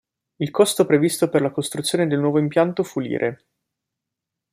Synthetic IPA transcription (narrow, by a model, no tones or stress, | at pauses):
ilkɔst̪opɾevist̪operlakost̪ɾut̪sjoːned̪elnwɔːvoimpjant̪ofulḭːɾʔe